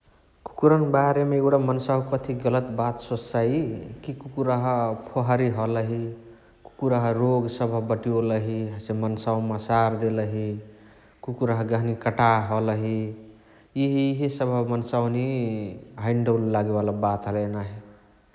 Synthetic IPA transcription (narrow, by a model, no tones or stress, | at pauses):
ku̥kuɾənbaɾemeewɽamənsawkʌt̪ʰiɡʌlət̪bat̪səsaikikukuɾəɦpʰoɦaɾiɦʌləɦi | ku̥kuɾəɦɾoɡsʌbʱʌbəʈioləɦiɦʌsemənsawmasaɾd̪eləɦi | kukuɾəɦɡaɦnikəʈaɦʌləɦi | iɦiɦisəbʱʌmənsawni | ɦəɪɳɖowllːaɡebalabat̪ɦəlenaɦi